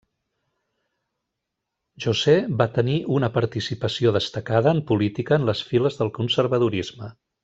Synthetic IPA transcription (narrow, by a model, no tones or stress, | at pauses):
ʒuzɛbat̪əniʔunəpəɾt̪isipəsioðəst̪əkaðəːmpulit̪ikəːnləsfiləzðəlˠkunsəɾβəðuɾizmə